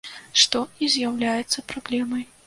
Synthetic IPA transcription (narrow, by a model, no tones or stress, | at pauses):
ʂt̪ɔizʲjawlʲajɛt̪sːɐpɾablʲɛmɐj